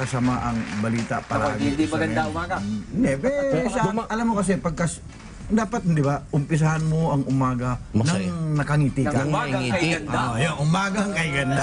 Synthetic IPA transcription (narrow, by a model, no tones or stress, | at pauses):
kɐsɐmaʔɐŋbɐliːt̪a̰pɐlaaːɡɪd̪imɐɡɐd̪amaːɡand̪ɛpɛʃaʔɐlamːokɐs̬ɛpɐɡ̚kɐs | d̪aːpɐt̪̚d̪ɪbaʔʊmpɪs̬ɐhanmoɐŋʔʊmaːɡɐnɐŋnɐkɐŋiːt̪ikaɡkɐɐnajoʔʊmaːɡɐŋkɐjɡɐnd̪a